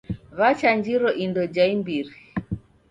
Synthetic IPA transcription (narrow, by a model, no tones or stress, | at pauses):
βat͡ʃaɲd͡ʒiɾɔʔindɔd͡ʒaimbiɾi